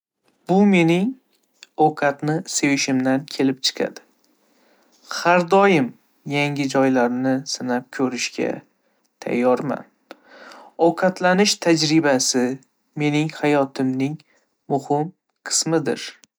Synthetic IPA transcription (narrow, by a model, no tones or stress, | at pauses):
b̥ʊme̞nɪŋ | ɒwqʰɑt̪nɪsewɪʃɪmd̪ankʲʰe̞lɪp̚t͡ʃʰɨ̥qʰa̰d̪̥ɪ̥ | haɾd̪ɒjɪm | jaŋʲɪd͡ʒɒjlaɾnɪsɪnap̚kʲʰɵɾɪʃkʲa̰ | t̪ʰa̰jːɒɾma̰n | ɒwqʰɑt̪ʰlanɪʃt̪ʰad͡ʒɾɪbasɪ | me̞nɪŋhajɒt̪ʰɪmnɪŋ | mʊhɪm | qʰɨ̥smɪd̪ɪ̰ɾ